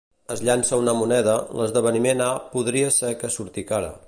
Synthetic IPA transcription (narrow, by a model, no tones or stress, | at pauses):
əzʎansəunəmunɛðələzðəβ̞ənimenapuðɾiəsɛkəsuɾt̪ikaɾə̰